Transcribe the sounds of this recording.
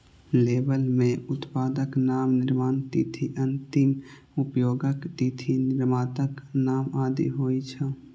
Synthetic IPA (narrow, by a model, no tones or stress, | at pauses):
leːbəlmẽʊt̪paːd̪əknaːmnɪɾmaːnt̪iːt̪ʰiʔə̃nt̪ɪm | ʊpjoːɡəkt̪iːt̪ʰinɪɾmaːt̪əknaːmaːd̪ḭɦoːit͡ʃʰə